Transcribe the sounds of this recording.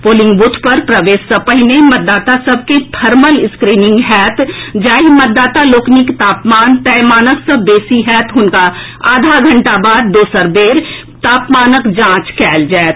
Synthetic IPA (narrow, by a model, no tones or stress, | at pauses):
poːlɪ̃ŋɡbʊt̪ʰpəɾpɾɐʋeːsəpəɦɪnẽmɐt̪̚d̪ːaːt̪asɐb̚kepʰəɾməlɪskɾiːnɪ̃ŋɡɦɛːt̪d͡ʒaːɦimət̪̚d̪ːaːt̪aloːknikt̪aːpmaːnt̪ɛːmaːnəsəbeːsiɦɛːt̪ɦʊnka | aːd̪ʱaɡʱɐ̃ɳʈabaːd̪̚ːoːsəɾbeːɾ | t̪aːpmaːnəkd͡ʒãːt͡ʃkɛːld͡ʒaːet̪